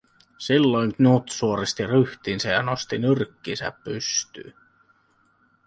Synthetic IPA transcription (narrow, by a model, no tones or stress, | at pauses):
silːo̞jnnut̪suoɾist̪iryht̪insejɑnost̪inyrkːinsæ̰pːyst̪y̰ː